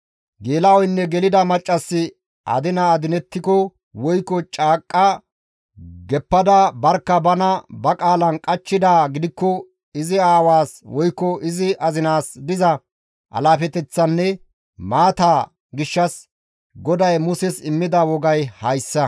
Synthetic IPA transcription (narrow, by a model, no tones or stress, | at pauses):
ɡeːlɐɔjnːɛɡɛlɪd̪ɐmɐt͡ʃʼːɐsːɪ | ʔɐ̰d̪ɪnɐːd̪ɪnɛt̪ːɪkɔ | wɔjkːɔt͡ʃʼaːkʼːɐ | ɡɛpːɐd̪ɐbɐɾkːɐbɐnɐbɐkʼaːlɐnkʼɐt͡ʃːɪd̪aːɡɪd̪ɪkːɔ | ɪzɪaːwaːswɔjkːɔɪzɪʔɐzɪnaːsd̪ɪzɐ | ʔɐ̰laːfɛt̪ɛt͡sːɐnːɛ | maːt̪aː | ɡɪʃːɐs | ɡɔd̪ɐjmʊsɛsɪmːɪd̪ɐwɔɡɐjhɐjsːɐ